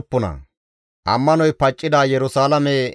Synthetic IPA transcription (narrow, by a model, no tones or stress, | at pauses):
pːʊnɐ̰ | ʔɐmːɐnɔjpɐt͡ʃʼːɪd̪aːjɛɾʊsaːlɐmɛ